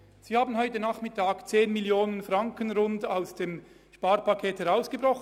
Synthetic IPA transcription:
z̥iːhaːbən̩ɦɔʏtənaːχmɪtʰaːkt͡seːnmiljoːnənfʁaŋkənʁʊndaʊsd̥eːm | ʃpaːɾpakʰeːthɛʁaʊsɡ̥əbʁɔχ

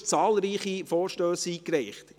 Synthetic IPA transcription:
t͡sɑːlɾiːχifɔːɾʃtøːsiːkɾɛɪχt

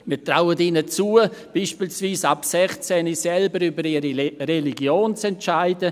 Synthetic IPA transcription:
miːtraʊətinət͡suːəb̥iːʃpiːlsviːsapsɛχt͡sɛnisɛlbəɾybəɾiɾireliɡjoːnt͡sɛntt͡ʃaɪdə

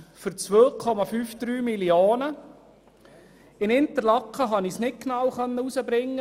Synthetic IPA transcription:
fʏɾt͡sʋøːkʰɔmɑfyːfd̪̥ɾyːmilioːnə | ɪnɪnt̪əɾlɑkχəɦɑnisnɪt̚knawχœnːəusəbɾɪŋːə

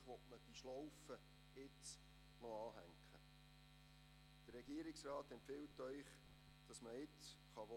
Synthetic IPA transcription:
χʋɔtməd̥iʃlɔwfə | ɪt͡s | nɔɑːɦæŋkχə | d̥ərːɛɡiəɾɪksrɑːtɛmpfɪltœʏχ | d̥ɑsməɪt͡sχɑʋo

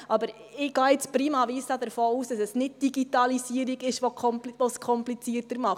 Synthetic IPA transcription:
ʔɑbəɾɪɡ̥ɑːɪt͡spɾiːmɑviːsɑdəɾfoːuːsd̥ɑsɛsnɪt̚d̥iɡitɑlisiəɾiɡɪʃʋoɔmʋɔskʰɔmplit͡siərtəɾmɑχt

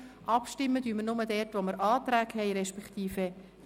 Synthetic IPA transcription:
ʔɑpʃtɪmːəd̥yːməɾnʊmədɛrtʋoməɾʔɑːt̪ɾæːkhɛɪɾɛʃpɛkt̪iːfe

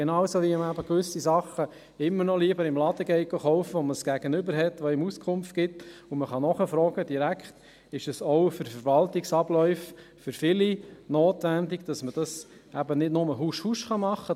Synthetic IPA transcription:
ɡenɑːwsoʋiəmæbəkʋʏsisɑχːə | ɪmːəɾnɔliːəbəɾɪmlɑd̥əɡɛɪɡoχɔʊfəʋɔməsɡ̥æɡ̥ənʏbəɾɦɛtʋoɪmuskʰʊmftɡ̥ɪtʊməχɑnɔχəfɾɔːɡ̥əd̥iɾækχt | ɪʃəsɔʊfʏɾfəɾʋɑltɪksɑblœʏf | fʏɾfɪlinoːtʋændiɡd̥ɑsməd̥ɑs | ʔæbənɪdnʊməɦuʃhuʃχɑmɑχːə

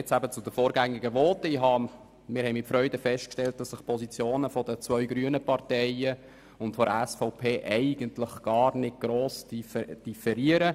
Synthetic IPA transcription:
ɛt͡sæbət͡sʊd̥̪əfoːɾɡæŋɪɡəʋoːtɪɦɑ | mɪːɾhɛɪmɪtfɾœʏdəfɛst̚kʃtɛlt̚d̥ɑsːɪχpʰɔsit͡sjoːnəfɔdət͡sʋœʏɡɾyənəpɑrtɛɪə | ʊntfɔɾəɛsfɔʊpʰeːʔɛɪɡ̥əntlɪχɡ̥ɑːrnɪt̚ɡ̥ɾoːsdid̥ifɛɾiəɾə

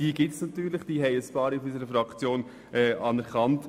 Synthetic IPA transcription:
d̥iəɡ̥ɪtsnɑt̪yːɾlɪχd̥iːɦɛɪəspɑːɾɪfysəɾəfɾɑkt͡sjoːn | ʔɛːɑnɛɾχɑnt

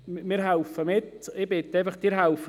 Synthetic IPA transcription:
mɪɾɦaʊfəmɪt̪ɪbɪt̪aɪfɐχd̥iːɾɦaʊfə

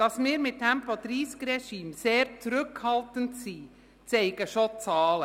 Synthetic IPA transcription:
d̥ɑsmɪːɾmɪt̚dæmpɔd̪ɾiːskɾɛʃiːmseːɾt͡sɾʏkhɑlˠtəntsiː | t͡sɛɪɡəʃot͡sɑːlə

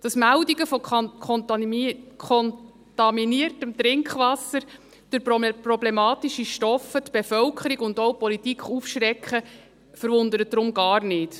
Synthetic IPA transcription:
d̥ɑsmældiɡəfɔkʰɔn | kʰɔn | t̪ɑminiərtəmt̪ɾɪŋkχʋɑsːəɾ | d̥ʊɾpprɔblemɑːtiʃiʃtɔfətb̥efœwkʰəɾiɡʊndowpɔlitikχufʃɾɛkχə | fəɾvʊndəɾət̚d̥ɾʊmɡɑːrnɪːt

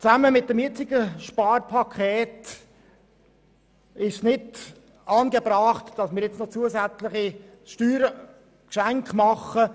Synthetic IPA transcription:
t͡sæməmɪt̚d̥ɛmjɪt͡sɪɡ̥əʃpɑːrpʰɑkʰχɛːt | ɪʃsnɪd | ɑːnɡəbɾɑːχtd̥ɑsmɪːɾjɛt͡snot͡suəsæt͡slɪχi | ʃtyːɾ | kʃæŋkχmɑχə

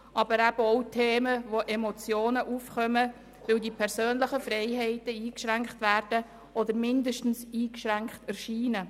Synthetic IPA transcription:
ʔɑb̥əɾæbəɔʊtʰeːməʋoʔɛmot͡sjoːnəʔufχœmə | ʋɪwdipʰɛɾsøːnləχəfɾɛɪɦɛɪtəiːkʃɾæŋkχtʋæːɾd̥ə | ɔd̪əɾmɪndəʃtn̩siːkʃɾæŋkχtɛɾʃiːnə

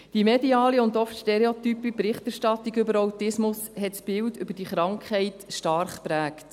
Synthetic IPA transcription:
d̥imɛdiɑːliʊndɔftʃteɾeot̪ypipɾɪχtæɾʃtɑt̪ːiɡʏbəɾawtɪsmʊsɦɛtsb̥ɪldʏbəd̥iχɾɑŋkχɛɪtʃtɑɾχpɾæːkt

